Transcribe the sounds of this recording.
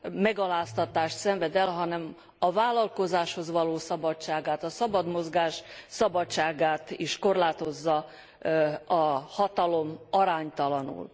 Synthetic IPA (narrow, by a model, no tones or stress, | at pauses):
mɛɡɒlaːst̪ɒt̪aːʃt̪sɛɱvɛd̪ɛlɦɒnɛm | ɒvaːlɒlko̞zaːʃho̞zʋɒloːsɒbɒt͡ʃaːɡaːt̪ɒsɒbɒd̪mozɡaːʃsɒbɒt͡ʃaːɡaːt̪iʃko̞rlaːt̪o̞zːɒ | ɒhɒt̪ɒlo̞mɒɾaːɲt̪ɒlɒnṵl